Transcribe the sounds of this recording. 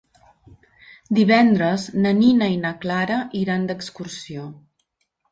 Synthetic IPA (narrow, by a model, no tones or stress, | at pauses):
d̪iβ̞ɛnd̪ɾəznəninəinəklaɾəʔiɾand̪əkskursio